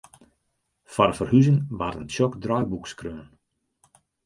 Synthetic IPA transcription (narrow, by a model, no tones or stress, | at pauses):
faɾəfərhyzəŋʋartənʃɔkdrɔjbukskrøːn